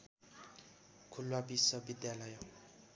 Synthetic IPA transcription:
kʰulwabisʌbid̪jalʌjo

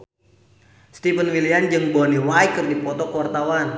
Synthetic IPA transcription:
st̪ifənwiliand͡ʒɨŋbɔniwajkərdipɔt̪ɔkəwart̪awan

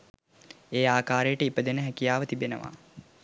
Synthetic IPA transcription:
eːaːkaːɾejəʈəipəd̪enəɦækijaːʋət̪ibenə̰ʋa̰ː

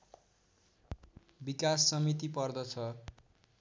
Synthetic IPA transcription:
bikasːʌmit̪ipʌrd̪ʌt͡sʰʌ

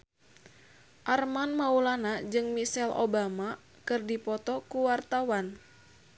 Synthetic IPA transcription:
ʔarmanmaulanad͡ʒɨŋmisɛlo̰bama | kɨrdipɔt̪ɔkuwart̪awan

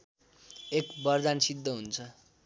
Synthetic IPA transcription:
ekbʌrd̪ansid̪ʱːʌɦunt͡sʰʌ

